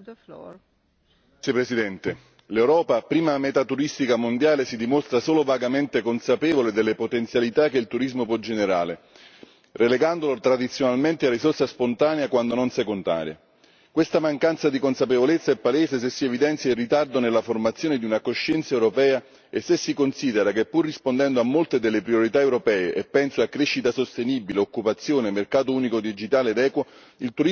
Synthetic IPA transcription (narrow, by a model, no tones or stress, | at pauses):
epɾesid̪ɛnt̪e | lewɾɔːpapɾiːmamet̪at̪ːuɾist̪ikamond̪jaːlesid̪imost̪ɾasoːlovaɡament̪ekonsapɛːvoled̪elːepot̪ent̪sjalit̪akːeilt̪uɾizmopwɔd͡ʒeneɾa̰ːle | releɡand̪olot̪ɾad̪it̪sjonalment̪earːisorsaspont̪aːneakwand̪ononsekont̪a̰ːɾja̰ | kwest̪amaŋkant̪sad̪ikonsapevolet̪sːaepːaleːzes̬esːievid̪ɛnt̪sjailrit̪ard̪onelːaformat̪sːjoːned̪iunakoʃːɛnt̪saewɾopɛːa | esːesːikonsiːd̪eɾakepːurːispond̪ɛnd̪oamːolt̪ed̪elːepɾjoɾit̪aewɾopɛːeʔepːɛnsoakːɾeʃːit̪asost̪eniːbileokːupat̪sːjoːnemerkaːt̪̬ouːnikod̪id͡ʒit̪aːled̪ɛːkwo | ilt̪uɾi